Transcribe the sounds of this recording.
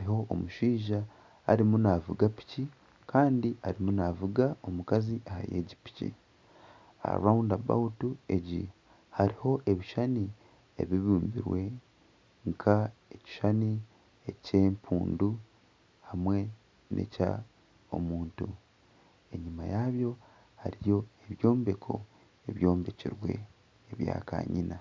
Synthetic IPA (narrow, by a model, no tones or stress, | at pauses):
haɾiɦo̞ʔːmuʃiːʒa̰ː | ɾimunavuɡapi̥ci | kʰaːndiʔaɾimunavuɡao̞mukaziʔaha̰je̞̰ːɟipi̥cḭ | a̰ɾaundaba̰utue̞ɟḭ | haɾiho̞ʔe̞βiʃani | ḛβiβuːmbḭɾwe̞ | ŋkʰae̞ci̥ʃani | ece̞ːmpʰuːndu | hamwe̞ | nʔe̞̰ca̰ | o̞̰muːntu | e̞ɲimajaβjo̞ | haɾijo̞eβjo̞ːmbe̞kʰo̞̰ | eβjo̞ːmbecḭɾwe̞̰ː | βja̰ːka̰ːɲina